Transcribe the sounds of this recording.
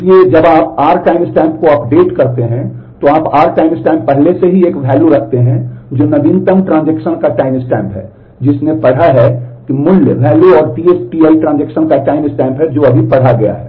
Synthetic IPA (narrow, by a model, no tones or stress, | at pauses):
ied͡ʒɐbaːpaːɾʈaːɪmɪsʈɛ̃ːmp̚koɐpɖeːʈkɐɾt̪eɦɛ̃ | t̪oaːpaːɾʈaːɪmɪsʈɛ̃ːmpːɛɦleseɦieːkʋʱɛːluɾɐkʰt̪eɦɛ̃d͡ʒoːnɐd̪iːnt̪əmʈɾãːnd͡ʒekʃənkaʈaːɪmɪsʈɛ̃ːmpɦɛ̰ː | d͡ʒɪsnepɐɽ̤aɦɛkimʊljəʋɛːluɔːɾʈiet͡ʃʈielʈɾãnd͡ʒeːkʃənkaʈaːɪmɪsʈɛ̃ːmpɦɛd͡ʒoːɐbʱipɐɽ̤aɡɐja̰ɦɛː